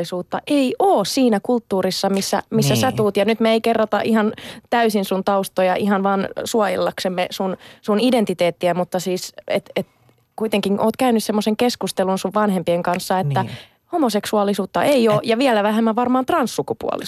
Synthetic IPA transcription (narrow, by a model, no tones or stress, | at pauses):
isuːt̪ːɑʔeiʔoːssiːnækult̪ːuːɾisːɑmisːæ̰misːæsæt̪uːt̪jɑnyt̪meeikerːot̪ɑ̰ʔihɑnt̪æysinsunt̪ɑust̪ojɑʔihɑnʋɑːnsuɑjḛlːɑksemːesunsunident̪it̪eːt̪ːiæmut̪ːɑsiːset̪et̪ | kuit̪eŋkiŋʔoːt̪̚kæynyssemːoseŋkeskust̪elunsuʋʋɑnɦhempieŋkɑnsːɑet̪ːæ | homoseksuɑlːisuːt̪ːɑʔeioːjɑʋiɛlæʋæhemːæʋʋɑrmɑːnt̪rɑnssukupṵɑ̰lḭ